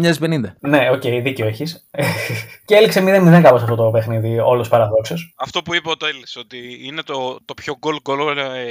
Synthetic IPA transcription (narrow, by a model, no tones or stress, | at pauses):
ɲɐspe̞nind̪ɐne̞o̞cejðiceoeçiseceeliksemiðemiðeŋkɐposɐft̪o̞t̪ope̞xniðio̞̰lospɐɾɐðo̞ksosɐft̪o̞puipɐot̪oelisot̪iinet̪ot̪opçoɡolɡolo